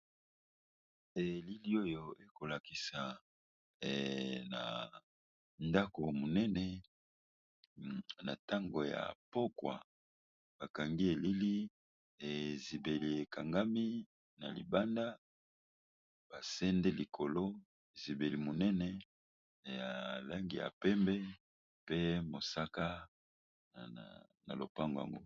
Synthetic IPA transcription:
e˨li˦li˦o˦jo˨e˦ko˨la˨ki˨sa˨ | na̰˨ | nda˦ko˨mo˨nɛ˦nɛ˨ | na̰˨ta˦ŋɡo˨ja̰˨po˦kwa̰˨ | b̥a˨ka˨ŋɡi˦e˨li˦li˦ | e˨zi˨be˨li˨e˨ka˨ŋɡa˦mi˦ | na˨lḭ˨ba˦nda˦ | b̥a˨sɛ˦ndɛ˦li˨kʰo˨lo˦ | e˨zi˨be˨li˨mo˨nɛ˦nɛ˨ | ja˨la˦ŋɡi˨ja̰˨pɛ˦mbɛ˦ | pe˦mo˨sa˦ka˦˨ | na̰˨lo̰˨pa˦ŋɡo˨ja̰˨ŋɡo˦

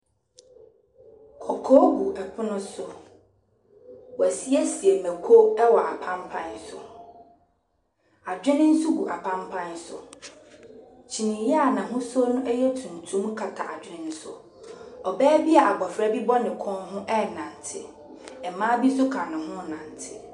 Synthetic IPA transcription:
kʰɔ˨kʰɔː˦ɡu˨ʔɛ˨pʰʊ˦nʊ̃˦sʊ˨ | wɔ˨æ˨si˦ɛ˦si˨e˨mæ˨kʰo˦ɛ˦wɔ˨a̰˨pʰã˦mpʰã˦nsʊ̰˨ | a˨d͡ʑᶣɪ̃˦nɪ̃˦n̩˦su˦ɡu˨ʔa˨pʰã˦mpʰã˦nsʊ̰˨ | t͡ɕʰi˨nɪ̃˨jɛ˦a˨nã˨ɦʊ̃˦sɔ˦nʊ̃˦ʔɛ˦jɛ˦tʰũ˨n˨tʰũ˦m˦kʰa˨tʰa˨ʔa˨d͡ʑᶣɪ˦ɾɪ̃˦n̩˦sʊ̰˨ | ɔ˨bɛː˦bi˦a˨a˨ɡ͡bɔ˨fɾa˦bi˦bɔ˦nɪ̃˨kʰɔ̃˦nɦʊ̃˦ʔɛ˦˨nã˨n˨tʰɪ˦ | ɛ˨mãː˦bi˦sʊ˦kʰã˨nɪ̃˨ɦʊ̃˦nã˨ntʰɪ˨

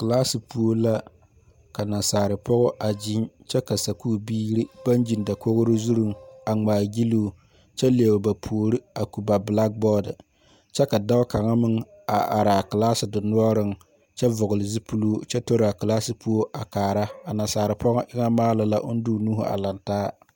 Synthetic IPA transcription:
kɨ˨la˦sɪ˨pu˦o˦la˦ | ka˨na˨saː˨ɾɪ˨pʰɔ˦ɣɔ˦ʔa˨d͡ʒɪ˦nt͡ʃɛ˦ka˨sa˨kuː˦˨biː˦ɾi˦b̥a˦nd͡ʒi˨nda˨ko˦ɣʊ˦ɾɪ˦zu˦ɾʊ˦ŋa˨ŋ͡maː˨ɡi˦luː˦ | t͡ʃɛ˦le˨e˨bba˨pʰu˨o˨ɾi˦a˨ku˨ba˨bla˦k̚bɔ˦dɨ˨ | t͡ʃɛ˦ka˨da˦bka˨ŋa˦mɪ˦ŋ | a˨ʔa˨ɾa˨ka˨laː˦sɪ˨dʊ˨nʊ˦ɔ˦ɾɨ˦ŋ | t͡ʃɛ˦vʊ˨ɣʊ˨lɪ˨zi˦pʰu˦lu˦t͡ʃɛ˦to˦ɾa˨ka˨laː˦sɪ˨pu˦o˦ʔa˨kaː˨ɾa˦a˨na˨saː˨ɾɪ˨pɔ˦ɣɔ˦ʔɪ˦ŋa˦maː˦la˨la˦ʔʊ˦n˦dʊ˦˨nuː˦ɦʊ̰˨a̰˨la˨ntaː˦

